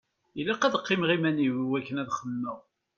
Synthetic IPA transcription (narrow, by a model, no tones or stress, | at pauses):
ilːæqæðqːimʁimæniwwækːənæðχəmːəʁ